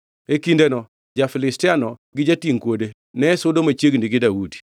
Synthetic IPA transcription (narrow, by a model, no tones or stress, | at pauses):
ekindenɔ | d͡ʒafɪlɪstɪanɔɡɪd͡ʒatiŋkwode | nɛsʊdomat͡ʃeɡndiɡɪdaudi̥